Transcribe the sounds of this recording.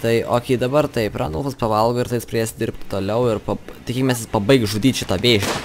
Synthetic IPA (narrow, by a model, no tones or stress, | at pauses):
t̪ɐɪo̰ːkʲiːd̪ɐbɐrt̪ɐɪpɾɑ̰ːnɐlˠfɐspɐʋɐlˠɡoːɪɾt̪ɐɪjɪspɾɐd̪eːsʲd̪ʲɪrʲp̚ʲt̪ʲt̪oːlʲɛʊɪrpɐt̪ʲɪkʲiːkʲɪmʲɛs̬ʲɪspɐbɐɪkʒud̪ʲiːt̪ʲʃʲɪt̪ɐːʋʲeːʃʲnʲɐ